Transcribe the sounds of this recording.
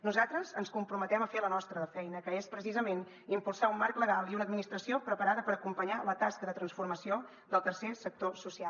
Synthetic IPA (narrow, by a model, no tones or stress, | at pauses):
nuzat̪ɾəzənskumpɾumət̪ɛməfelənɔst̪ɾəðəfɛjnəkəespɾəsizəmen | impulˠsaumːaɾkləɣalˠiunəd̪minist̪ɾəsiopɾəpəɾaðəpəɾəkumpəɲalət̪askəðət̪ɾənsfurməsio | d̪əlˠt̪ərsesək̚t̪osusia